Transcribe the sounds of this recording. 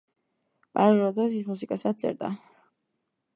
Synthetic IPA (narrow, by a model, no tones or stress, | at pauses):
pʼaɾiɾɔd̪ɔs̬ismus̬ikʼasad̪̚sʼɛ̰ɾd̪a̰